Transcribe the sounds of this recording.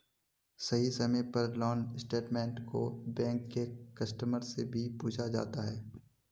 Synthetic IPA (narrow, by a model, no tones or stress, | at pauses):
sɐɦisɐmepɐɾlɔːnsʈeːʈmɛ̃ːɳʈko̰bɛ̃ːŋkːekɐsʈəməɾsebʱipuːd͡ʒʰad͡ʒa̰ːt̪aɦɛː